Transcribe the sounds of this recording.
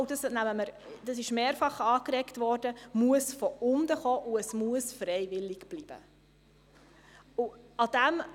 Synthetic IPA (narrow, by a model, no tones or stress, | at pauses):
wd̥ɑsnæməməɾ | d̥ɑsɪʃmeːɾfɑχɑːkɾɛktvɔːɾd̥əmuəsfɔʔʊnd̪əχɔːʔuəsmuəsfɾɛɪvɪlːɪɡb̥liːb̥ə̰ | uɑd̥̪æm